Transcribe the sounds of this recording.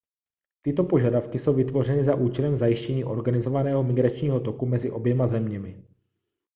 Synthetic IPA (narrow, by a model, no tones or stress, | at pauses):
t̪ɪt̪o̞po̞ʒadafkɪso̞wvɪt̪vo̞rɛnɪzaʔuːt͡ʃɛlɛmzajɪʃcɛɲiːʔo̞̰ɾɡanɪzo̞vanɛːɦo̞mɪɡɾat͡ʃɲiːɦo̞t̪o̞kumɛzɪʔo̞bjɛmazɛmɲɛmɪ